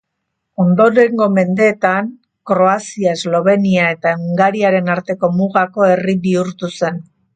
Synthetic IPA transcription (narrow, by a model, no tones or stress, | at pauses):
o̞nd̪o̞ɾe̞ŋɡo̞me̞nd̪e̞ːt̪aŋ | kɾo̞asiae̞zlo̞β̞e̞niae̞t̪aŋɡaɾiaɾe̞naɾt̪e̞ko̞muɣako̞e̞riβiuɾt̪use̞n